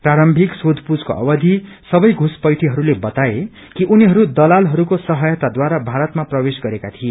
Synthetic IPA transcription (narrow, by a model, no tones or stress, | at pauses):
praɾʌmbʱiksod̪ʱpud͡zkoʔʌ̰bʌd̪ʱisʌbʌjɡʱuspʌjʈʰiɦʌɾulebʌt̪ae | kiʔuniɦʌɾud̪ʌlalɦʌɾukosʌɦʌjʌt̪ad̪waɾabʱaɾʌt̪maprʌwesɡʌɾekat̪ʰie